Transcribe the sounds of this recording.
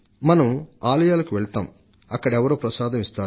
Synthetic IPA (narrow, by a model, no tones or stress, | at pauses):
mɐnɐmaːlɐjaːlɐkuʋɛɭt̪aːm | ɐkːɐɽɛʋɐɾoːpɾɐsaːd̪ɐmist̪aː